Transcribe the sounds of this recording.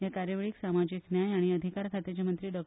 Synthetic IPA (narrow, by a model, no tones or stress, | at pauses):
jakaɾjəʋeɭiksamad͡ʑiknjajaɽ̃iəd̪ʱikaɾkʰat̪et͡ɕamənt̪ɾiːɖɔk̚